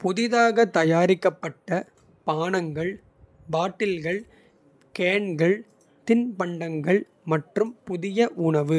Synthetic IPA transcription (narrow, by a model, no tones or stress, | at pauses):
pʊðɪðaːɣɐt̪ɐjaːɾɪkːɐpːɐʈːɐ | paːɳɐŋɡɐɭ | baːʈːɪlɣɐɭ | keːɳɡɐɭ | t̪ɪnpɐɳɖɐŋɡɐɭ | mɐʈrɯmpʊðɪjɐʔʊɳɐʋɯ